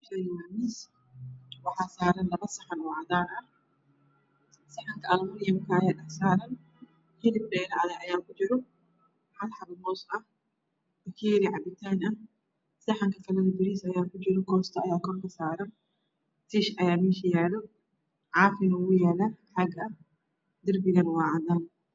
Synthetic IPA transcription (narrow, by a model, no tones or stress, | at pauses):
ʃɐjamis | wɐħaːsaːɾɐnlɐβɐsɐħanwʕad̪aːnʔɐ | sɐħaŋkɐʔɐlmɐnɪjɐmkɐɐjaːɗɐħsaːɾɐn | hɪlɪbbɛːlɐʔɐðaːʔɐjaːkʊd͡ʒɪɾʊ | ħalħabɐmɔːsɐ | b̥ɐkʰiːɾiʕabɪt̪ʰːanɐ | sɐħaŋkʰɐfɐlɐnubɪɾiːsɐjaːkʊd͡ʒɪɾukoːst̪ʰɐʔːjaːkɔɾkɐsaːɾɐn | t̪iʃʔɐjaːmiʃjalu | ʕaːfinɐwʊjalɐħaɡɐʔɐ | d̪ɪɾbɪɡɐnwaʕd̪an